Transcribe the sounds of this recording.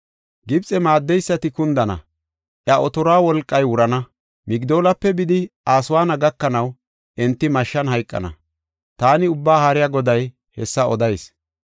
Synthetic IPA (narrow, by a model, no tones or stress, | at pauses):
ɡɪbt͡sʼɛmaːd̪ːɛjsːɐt̪ɪkʊnd̪ɐnɐ̰ | ʔjɐʔɔt̪ɔɾɔaːwɔlkʼːɐjwʊɾɐnɐ | mɪɡd̪o̞ːlɐpːɛbɪd̪ɪʔaːsʊwaːnɐɡɐkːɐnɐw | ʔɛnt̪ːɪmɐʃːɐnɦɐjkʼːɐ̰nɐ̰ | t̪aːnɪʊbːaːhaɾɪjɐɡɔd̪ɐj | hɛsːɐɔd̪ɐjs